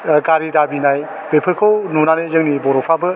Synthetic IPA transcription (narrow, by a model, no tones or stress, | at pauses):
ɡaɾidabinaj | b̥epʰɯkʰownunanɯjzɯŋnibɔɾɔpʰabɯ